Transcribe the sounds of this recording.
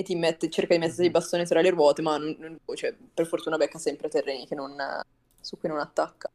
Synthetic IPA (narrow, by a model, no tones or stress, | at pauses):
et̪ːimet̪ːet͡ʃerkad̪imet̪ːd̪ibast̪oːnisɾaleɾwɔːt̪emanonːont͡ʃoɛ | perfort̪uːnabɛkːasɛmpɾet̪erːeːnikenːon | sukːujnonat̪ːakːḁ